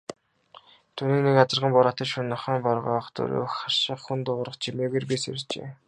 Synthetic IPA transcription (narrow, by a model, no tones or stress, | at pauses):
t̪ʰuniːknekat͡sə̆rʁə̆mpɔɾat̪ə̆t͡ɕʃunːɔ̆χaːmpɔrʁɔːχt̪ʰɵ̰ɾo̰ːχarʃə̆χxunt̪ʊʁrə̆χt͡ɕʰimeːɣeːrpisḛɾ̆t͡ɕḛː